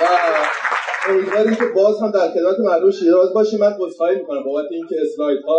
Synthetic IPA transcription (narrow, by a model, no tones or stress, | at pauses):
væ | omiːd̪vɒɾimcʰe̞bɒːzhæmd̪æɾxe̞d̪mæt̪ʰe̞mæɾd̪umʃiːɾɒːzbɒːʃimːænbozxɒːjimiːkʰonæmboːbæt̪ʰːeiːncʰeesɾɒjt̪hɒː